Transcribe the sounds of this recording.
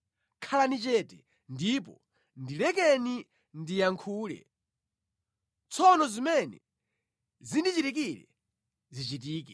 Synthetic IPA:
kʰalanit͡ʃɛtɛ | ndipɔ | ndilɛkɛni | ndijaŋkʰuːlɛ̰ | t͡sʰɔnɔzimɛnɛ | zindit͡ʃitik̬ilɛ̰ | zit͡ʃit̬iːk̬ɛ

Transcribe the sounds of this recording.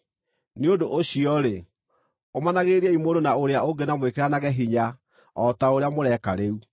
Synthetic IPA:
neodoʔoɕiɔɾe | omanaɣeɾiɛimoɾonaoɾeaoŋɡenamwekeɾanaɣɛɦiɲa | ɔtaoɾeamoɾɛkaɾeu

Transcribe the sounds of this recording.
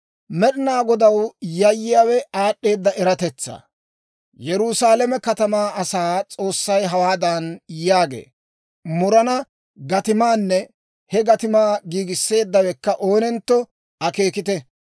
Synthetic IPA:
mɛɗɪnaːɡɔd̪ɐwjɐjːɪjaːwɛaːɗːe̞ːd̪ːɐʔɛɾɐt̪ɛt͡sːa̰ː | jɛɾʊsaːlɛmɛkɐt̪ɐmaːɐsaːt͡sʼo̞ːsːɐjɦɐwaːd̪ɐnjaːɡḛː | mʊɾɐnɐ | ɡɐt̪ɪmaːnːɛ | hɛɡɐt̪ɪmaːɡiːɡɪsːe̞ːd̪ːɐwɛkːɐʔo̞ːnɛnt̪ːɔ | ɐke̞ːkɪt̪ɛ

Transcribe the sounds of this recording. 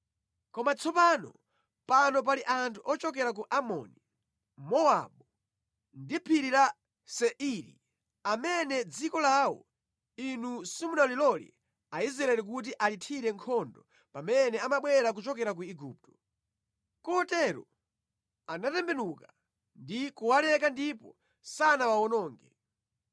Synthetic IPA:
kɔmat͡sʰɔpanɔ̰ | panɔp̬aliʔantʰuʔɔt͡ʃɔk̬ɛɾak̬uʔamɔ̰ni | mɔa̰ɓɔ | ndipʰiɾiɾa | sɛʔiɾḭ | amɛnɛd͡zikɔlawɔ̰ | inusimunalilɔlḭ | aizɾaɛlik̬ut̬iʔalitʰiɾɛŋkʰɔndɔ | pamɛnɛamaɓwɛɾak̬ut͡ʃɔkɛɾak̬uiɡuːp̚tɔ̥ | kɔɔtɛɾɔ̰ | anatɛmbɛnuka | ndikuwalɛkandipɔ | sanawaɔnɔːŋɡɛ

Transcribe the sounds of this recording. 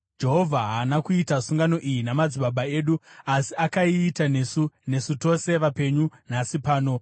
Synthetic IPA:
d͡ʒe̞ɦo̞vʱaɦaːnakuitasuŋɡano̞ʔijinamad͡ziɓaɓae̞ːɗuasiakaiːtanesune̞suto̞se̞ʋape̞ɲunasipaːno̞

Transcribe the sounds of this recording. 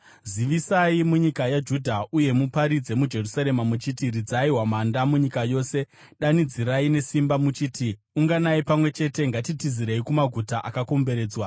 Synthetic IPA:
ziʋisaimuɲikajad͡ʒudʱauje̞mupaɾid͡ze̞mud͡ʒe̞rusaɾe̞mamut͡ʃitirid͡zaiɦwamandamuɲikajo̞ːse̞ | ɗanid͡ziɾaine̞simbamut͡ʃiːti | uŋɡanaipamwe̞t͡ʃe̞te̞ŋɡatitiziɾeikumaɡʱutaʔakako̞mbe̞ɾe̞ːd͡zwa

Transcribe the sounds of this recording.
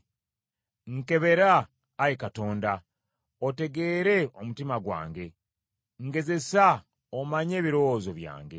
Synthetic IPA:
ŋke̞βe̞ɾaː | jekato̞ːnda | ote̞ɡe̞ːɾe̞omutimaɡwa̰ːŋɡe̞ | ŋɡe̞ze̞sa | omaɲe̞ːβiɾowozo̞βja̰ːŋɡe̞

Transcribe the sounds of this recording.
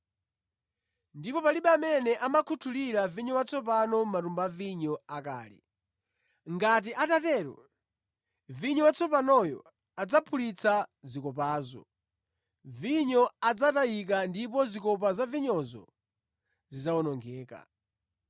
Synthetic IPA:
ndipɔpaliɓɛamɛnɛʔamakʰutʰuliɾaviɲɔwat͡sʰɔp̬anɔmatumbaviɲɔaka̰ːlɛ̰ | ŋɡat̬iʔatatɛɾɔ̰ | viɲɔwat͡sʰɔpanɔjɔ̰ | ad͡zapʰulit͡sʰazikɔp̬aːzɔ̰ | viɲɔad͡zatajik̬andip̬ɔzikɔp̬azaviɲɔzɔ̰ | zizawɔnɔŋɡɛːka̰

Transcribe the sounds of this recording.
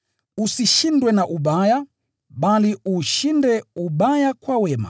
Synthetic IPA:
usiʃindwɛnaʔuɓaja | ɓaliʔuʃindɛuɓajakwawɛma̰

